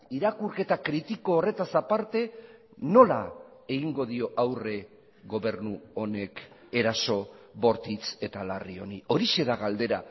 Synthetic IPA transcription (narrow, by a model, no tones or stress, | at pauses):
iɾakuɾke̞t̪akɾit̪iko̞ːre̞t̪asapaɾt̪e̞ | no̞la̰e̞ɣiŋɡo̞ðio̞ʔawre̞ | ɣo̞βe̞ɾnuo̞ne̞k | e̞ɾaso̞βo̞ɾt̪it͡se̞t̪alario̞nio̞ɾiʃe̞ðaɣald̪e̞ɾa